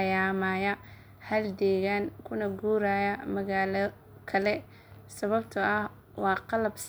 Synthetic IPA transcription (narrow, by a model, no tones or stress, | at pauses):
jaːmaːjɐ | hɐld̪ɛːɣaːŋkʰʊnɐɡuːɾaːjɐmɐɣaːlɐ | kʰɐlɛ | sɐβɐbt̪ʰʊʔɐh | wɑːqɑlɐbs